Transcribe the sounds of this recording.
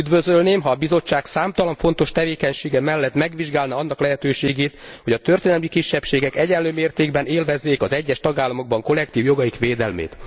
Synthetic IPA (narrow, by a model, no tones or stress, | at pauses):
yd̪vø̞zølneːmɦɒːbizo̞t͡ʃːaːksaːmt̪ɒlɒɱfo̞n̪t̪o̞ʃt̪ɛveːkɛɲʃeːɡɛmɛlːɛt̪mɛɡʋiʒɡaːlnɒɒnːɒklɛɦɛt̪øːʃeːɡeːt̪ho̞ɟɒt̪ø̞rt̪eːnɛlmikiʃːɛpʃeːɡɛkɛɟɛnløːmeːrt̪eːɡbɛneːlvɛzːeːkɒzɛɟːɛʃt̪ɒɡaːlːɒmo̞ɡ̚bɒŋko̞lɛkt̪iːvjo̞ɡɒjikʋeːd̪ɛlmḛːt̪